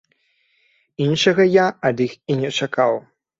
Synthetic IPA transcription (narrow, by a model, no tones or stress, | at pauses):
inʂɐɣɐjaɐd̪ixinʲɛt͡ʂakaw